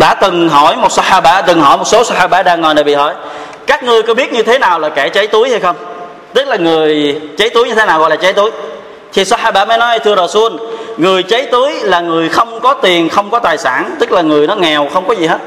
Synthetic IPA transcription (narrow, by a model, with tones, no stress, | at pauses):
ɗa̰ː˧˥t̪ɨ˨˩ŋɦɔ˧˩jmo˨˩t̚sa˧haː˧ɓaː˧t̪ɨ˨˩ŋɦɔ̰˧˩jmo˨˩t̚so˨˦sa˧haː˧ɓaː˧˩ɗaː˧ŋːɔ˨˩jna˨˩ɓḭ˧˨˩hɔ̰˧˩j | kaː˦˥k̚ŋɨ˧əjkɔ˨˦ɓi˦˥ət̚ɲɨ˧t̪ʰe˨˦naː˨˩wlaː˨˩kɛ˧˩t͡ɕə˨˦jt̪u˨˦əjha˧jxə˧wŋ͡m | t̪ɨ˦˥k̚laː˨˩ŋɨ˨˩əjt͡ɕə˨˦jt̪u˨˦jɲɨ˧e˨˦naː˨˩wɣɔ̰˧˨jlaː˨˩t͡ɕə˨˦jt̪u˨˦j | t̪ʰi˨˩sa˧haː˧ɓaː˧mə˨˦jnɔ˨˦jjt̪ʰɨ˧ə˧zɔ˨˩su˧ənŋɨ˨˩əjt͡ɕə˨˦jt̪u˨˦əjlaː˨˩ŋɨ˨˩əjxə˧wŋ͡mkɔ˨˦t̪i˨˩ənxə˧wŋ͡mkɔ˨˦t̪aː˨˩jsaː˧˩nt̪ɨ˦˥k̚laː˨˩ŋɨ˨˩əjnɔ˨˦ŋɛ˨˩wxə˧wŋ͡mkɔ˨˦zi˨˩ɦe˦˥t̚